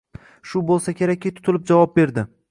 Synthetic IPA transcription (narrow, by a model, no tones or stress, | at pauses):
ʃʊbolˠsakʲʰe̞ɾakʲːit̪ʰʊ̥t̪ʰɪlɪp̚d͡ʒavɒp̚be̞ɾd̪ɪ